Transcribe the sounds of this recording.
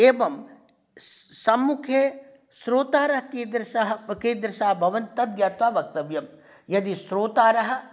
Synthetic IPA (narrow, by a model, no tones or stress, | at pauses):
eːʋɐm | sɐmːukʰeː | sɾoːt̪aːɾɐɦɐkiːd̪ɾɪʃɐɦɐkiːd̪ɾɪʃaːɐbʱɐʋɐnt̪ɐd̪jaːt̪ʋaːʋɐk̚t̪ɐʋjɐm | jɐd̪isɾoːt̪aːɾɐɦɐ̆